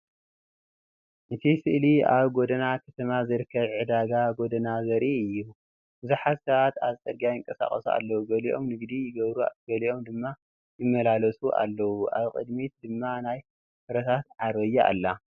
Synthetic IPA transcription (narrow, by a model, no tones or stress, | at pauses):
ʔɨt̪ʰisɨʔlia̰βɡod̪ɐnakʰɐt̪ʰɐmazɨɾɨkʰːɐβʕɨd̪aɡaɡo̞d̪ɐnazɐɾʔiɨjːu | bɨzuħazsaat̪aβt͡sʼɐɾɡiajɪŋkʼɐsa̰χʼɐsua̰lːɐwuɡɐliʔo̞̰mnɨɡd̪ijɪɡɐβɾua̰ɡɐliʔo̞md̪ɨmːa | jɪmːɐlalɐsʼuʔa̰lːɐwuʔa̰βkʼɨ̰d̪mit̪d̪ɨmːanaj | fɨɾɐt̪ʰat̪ʕaɾβɐjːaa̰lːa